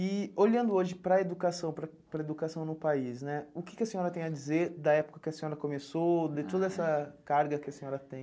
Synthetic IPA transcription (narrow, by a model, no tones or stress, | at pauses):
ɪoʎɐ̃nd̪ʊoʒɪpɾɐed̪ukasɐ̃w̃pɾɐ | pɾɐed̪ukasɐ̃w̃nʊpaisnɛʊkɪ̥kɪɐsẽɲɔɾɐt̪ẽj̃ɐd͡ʒizeɾd̪ɐɛpo̥kɐkɪɐsẽɲɔɾɐkomesod̪ɪt̪od̪ɐɛsɐkaɾɡɐkɪɐsẽɲɔɾɐt̪ẽj̃